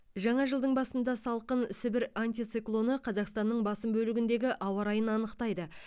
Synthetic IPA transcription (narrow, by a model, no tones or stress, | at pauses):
ʒɑɴɑʒəlˠd̪əɴbɑsənd̪ɑsɑlˠqənsɪbɪɾanʲt̪ijt̪sɪklˠo̞nəqʰɑzɑqst̪ɑnːəɴbɑsəmbɵlɪɡʲɪnd̪e̞ɡʲɪʔɑwɑɾɑjənɑnəqt̪ɑjd̪ə